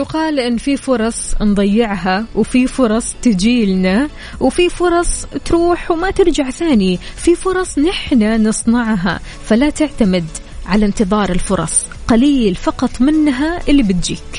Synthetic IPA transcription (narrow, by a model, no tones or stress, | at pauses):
jʊqɑːlʔɪnːfifʊɾˤɑsˤnd̪ˤɑjːɪʕɦawfifʊɾˤɑsˤt̪ɪd͡ʒiːlna | wfifʊɾˤɑsˤt̪ɾuːħwmat̪ɪɾd͡ʒaʕθaːnififʊɾˤɑsˤnɪħnanɨsˤnɑʕɦa̰ | falat̪ɪʕt̪amɪd̪ | ʕalant̪ɨðˤɑːɾˤɪlfʊɾˤɑ̰sˤ | qaliːlfɑqɑt̪ˤmɪnːɦaʔɪlːibɪt̪̚d͡ʒḭːk